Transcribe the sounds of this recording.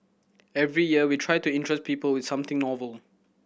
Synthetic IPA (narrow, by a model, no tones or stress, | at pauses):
ɛvɹijiəwitʰɹajtuɪ̃ntʰɹɛs̚pʰiːpəlwɪd̥sãmt̪ɪ̃ŋnɔvəl